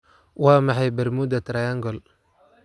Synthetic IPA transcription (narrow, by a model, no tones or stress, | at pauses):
waːmaħajbɐɾmud̪ɐt̪ɾajaŋɡɔl